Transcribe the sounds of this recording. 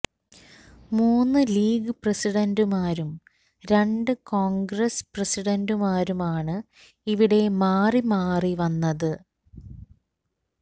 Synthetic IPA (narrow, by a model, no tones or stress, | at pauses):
muːnːɨliːɡɨprɐsiɽɐndumaːɾum | ɾe̞ɳɖɨkoːŋɡɾɐsprɐsiɽɐndumaːɾumaːɳɨ | iʋiɽe̞maːrimaːriʋɐnːɐðɨ